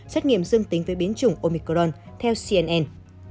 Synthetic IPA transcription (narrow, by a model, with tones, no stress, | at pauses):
sɛ˦˥t̚ŋḭ˧˨əmzɨ˧əŋt̪ï˨˦ŋ̟vəː˨˦jɓi˨˦ənt͡ɕʊ˨˧˩ŋ͡mʔo˧mi˧kzɔ˧n | t̪ʰɛ˧wsi˧ʔɛ˧nʔɛ˧n